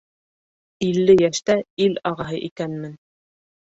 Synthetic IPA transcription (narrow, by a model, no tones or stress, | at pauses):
ilːɘjæʃt̪æilɑʁɑɦɤʔikænmɘn